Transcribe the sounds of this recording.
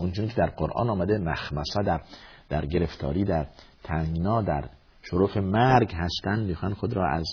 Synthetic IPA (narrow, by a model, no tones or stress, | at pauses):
unt͡ʃunikʰʲed̪æɾqoɾʔɒ̰ːnɒːmæd̪emæxmæsæd̪æɾd̪̥æɾɡe̞ɾe̞ft̪ʰɒ̰ːɾiːd̪æɾt̪ʰæŋɡnɒːd̪æ̰ɾ | ʃoɾofemæɾɡɦæst̪ænd̪miːxɒnxod̪ɾɒ̰ːʔæ̰z